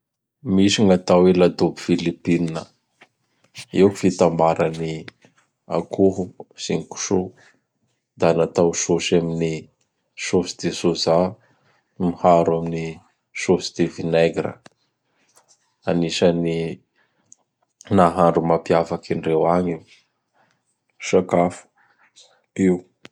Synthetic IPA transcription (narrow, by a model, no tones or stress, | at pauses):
miʃiŋat̪awelad̪obi̥filipininə | iwku̥fit̪ambaɾani | a̰kʰuɦusiŋiku̥ʃu | d̪anat̪awʃoʃamini | ʃosi̥d̪esoza | mihaɾamini | ʃosi̥d̪̥evineɡɾə̰ | aniʃani | naɦaɳɖ͡ʐumapiafakiɳɖ͡ʐewaɲiw | ʃakafu̥ | iw